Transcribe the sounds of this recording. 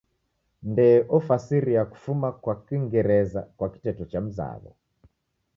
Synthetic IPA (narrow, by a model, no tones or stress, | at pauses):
ndɛʔɔfasiɾiaku̥fumakwakwiŋɡɛɾɛza̰kwaki̥tɛtɔt͡ʃam̩za̰βɔ̰